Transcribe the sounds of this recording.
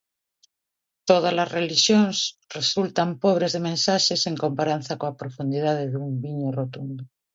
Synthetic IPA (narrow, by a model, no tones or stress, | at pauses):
t̪oð̞alazreliʃjonsresult̪ampoβ̞ɾezðemẽnsaʃeseŋkompaɾan̟θakoapɾofund̪iðað̞eðumbiɲorot̪und̪o